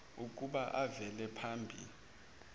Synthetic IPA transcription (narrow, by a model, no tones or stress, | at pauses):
uk̬ʼuɓaʔavɛlɛpʰambʱḭli